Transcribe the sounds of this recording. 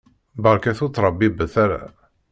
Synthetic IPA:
bəʁɾkæθut͡s̪ːɾˤəbːibəθæɾa̰

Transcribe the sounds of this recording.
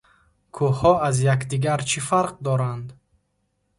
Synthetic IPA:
kʰuhɔazjakd̪iɡaɾt͡ʃʰifaɾq̚d̪ɔɾand̪

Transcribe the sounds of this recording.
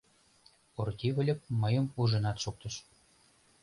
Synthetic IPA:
ort̪ʲiβə̆lʲə̆p̚məjə̆muʒɤ̆nɑt̪ʃuk̚t̪ɤ̆ʃ

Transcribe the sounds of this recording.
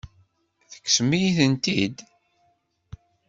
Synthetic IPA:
θə̥kːsmijθənt̪id̪

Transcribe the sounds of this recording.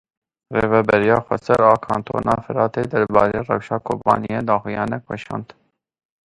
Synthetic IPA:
reːvɛbɛɾijɑːxʷɛ̰sɛɾɑːkʰɑːnt̪ʰo̰ːnɑːfɨɾɑːt̪eːd̪ɛɾbɑːɾeːrɛ̰wʃɑːkʰoːpɑ̰ːnijeːd̪ɑːxujɑːnɛkwɛʃɑ̰ːnd̪

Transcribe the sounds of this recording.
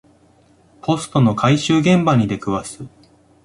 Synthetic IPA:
pʰo̞sɨ̥t̪o̞no̞kʰaiɕɨːɡẽ̞mbaɲ̟id̪e̞kɯ̟βasɨ

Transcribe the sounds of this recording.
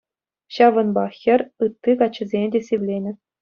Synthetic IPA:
ɕɑʋɤ̆nbɑxʲɘ̆rʲɯt̪ːikɑt͡ɕːɘ̆zʲenʲdʲesʲeʋʲlʲenʲɘ̆

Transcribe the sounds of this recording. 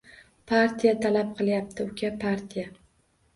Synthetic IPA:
pʰaɾt̪ʰijat̪ʰalap̚qʰɨlˠjap̚t̪ʰɪʊkʲʰapʰaɾt̪ʰija

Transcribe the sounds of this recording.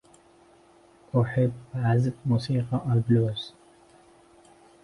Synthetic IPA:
ʔʊħɪbːʕazbmuːsiːqɑʔalbluːz

